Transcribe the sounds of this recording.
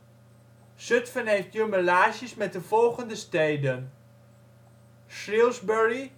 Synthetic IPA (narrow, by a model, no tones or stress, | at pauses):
sɵtfənejftjøməlaːʒəsmɛt̚dəvɔlˠχəndəstejdən | ʃrɪlˠzbɛɹi